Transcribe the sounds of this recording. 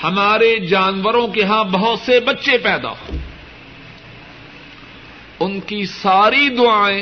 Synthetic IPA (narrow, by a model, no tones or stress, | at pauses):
hɐmaːɾed͡ʒaːnʋəɾõkeɦãbɐɦʊt̪sebɐtːʃepɛːd̪a̰ː | ʊnkisaːɾid̪ʊaːẽː